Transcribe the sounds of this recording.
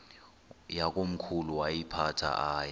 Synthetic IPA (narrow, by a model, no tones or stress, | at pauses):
jak̬ʼom̩kʰuluwajipʰatʰa̰ʔaːjɛ